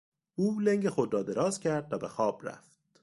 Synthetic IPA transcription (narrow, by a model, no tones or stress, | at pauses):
ʔuːleŋɟexod̪ɾɒːd̪e̞ɾɒːzcʰæɾd̪væbexɒːb̥ɾæ̰ft̪̚